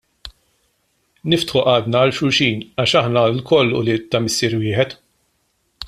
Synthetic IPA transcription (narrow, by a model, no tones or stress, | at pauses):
nɪft̪ħʊʔɐːd̪nɐːlʃʊɾʃiːnɐːʃɐħnɐlkɔlːʊ̰lit̪ːɐmɪsːiːɾwɪːħɛt̪